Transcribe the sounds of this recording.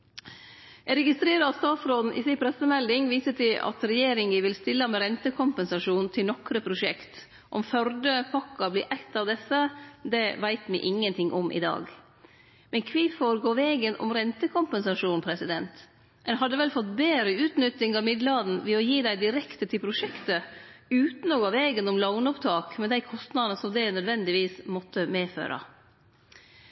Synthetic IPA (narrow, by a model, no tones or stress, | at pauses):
ɛɾɛɡɪst̪ɾeːɾəɑst̪ɑːsɾoːd̪n̩ʔɪ̰sɪpʰɾɛsəmɛld̪ɪŋʋiːsət̪ʰɪlʔɑ̰t̪ɾɛjeːɾɪŋʋɪʋɪlst̪ɪlːəmɛɾɛnt̪əkʰʊmpəɛnsɑʂuːnt̪ʰɪlnɔkɾəpʰɾʊʂɛkt̪ | ʔɔmfœɾd̪əpʰɑkːɑblɪɾʔæɪt̪ːɑʋd̪ɛsːəd̪ɛʋæɪt̪mɪ̰ʔɪŋːənt̪ʰɪŋːʔɔmʔɪ̰d̪ɑ̰ːɡ | mɛnkʰʋɪfoːɾɡoːʋeːɡənɔ̰mɾɛnt̪əkʰʊmpənsɑʂuːnpʰɾɛsɪd̪ɛnt̪ | ɛnɦɑd̪ːəʋɛlfɔt̪ːbeːɾəʉːt̪nʏt̪ːɪŋɑʋmɪd̪lɑd̪n̩ʋɛɔjiːd̪æɪd̪ɪɾɛkt̪ət̪ʰɪlpʰɾʊʂɛkt̪əʉːt̪n̩ɔɡoːʋeːɡənɔmlɑŋnʊpt̪ʰɑːkmɛd̪æɪkʰɔst̪nɑd̪ənəsɔmd̪ænœd̪ʋɛnd̪ɪʋiːsmɔt̪ːəmeːfø̰ːɾʔɑ̰